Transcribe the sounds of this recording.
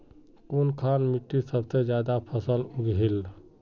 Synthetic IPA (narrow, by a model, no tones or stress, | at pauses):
konkʰanmiʈːisəbʱsed͡ʒjad̪apʰəsəluɡɦel